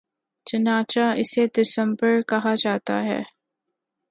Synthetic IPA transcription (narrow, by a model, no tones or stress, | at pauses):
t͡ʃɐnaːt͡ʃaɪsed̪ɪsə̃mbəɾkɐɦad͡ʒaːt̪a̰ɦɛ̰ː